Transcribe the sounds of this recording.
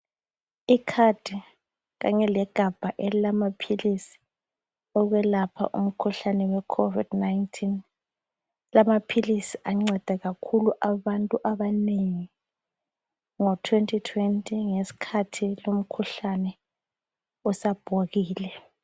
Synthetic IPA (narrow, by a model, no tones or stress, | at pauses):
ikʰad̥ʱi | ɣaɲɛlɛɡ̥ʱab̥ʱaʔɛllamapʰilisi̥ | ɔɣwɛlapʰa̰ʔṵm̩kʰuɬanɛwɛkʰovḭdnajntʰin | lamapʰilisiʔaŋ͡ǀɛd̥ʱɛɣakʰuluʔaβantʼuʔaβaneŋi | ŋɔtʰwentʰʼitʰwentʼiŋesi̥kʰatʰilom̩kʰuɬanɛ | usab̥ʱoɣiːlɛ